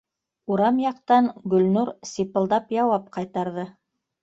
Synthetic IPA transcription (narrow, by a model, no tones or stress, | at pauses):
uɾɑmjɑqt̪ɑnɡɵ̆lnuɾsipɤ̆lˠd̪ɑpjɑwɑp̚qɑjt̪ɑɾðɤ